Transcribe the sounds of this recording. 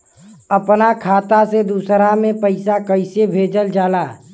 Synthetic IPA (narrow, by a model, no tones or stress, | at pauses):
əpnakʰaːt̪ased̪usɾamẽpəɪsakəɪsebʱeːd͡ʒəld͡ʒaːlaː